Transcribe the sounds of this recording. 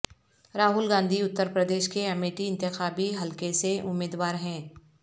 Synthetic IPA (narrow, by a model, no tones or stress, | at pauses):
ɾaːɦʊlɡãːnd̪ʱiʊt̪ːəɾpɾəd̪eːʃkeɐmeːʈiɪ̃nt̪ɪxaːbiɦɐlkeseʔʊmːeːd̪waːɾɦɛ̃ː